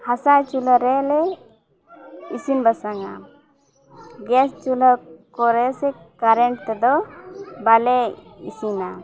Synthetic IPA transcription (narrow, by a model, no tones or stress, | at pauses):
hasãt͡ʃuləɾɛlɛ | isinbasaŋa̰ | ɡɛst͡ʃuləkɔɾɛsɛ | kaɾɛɳʈ̚t̪ɛd̪ɔbalɛḭsina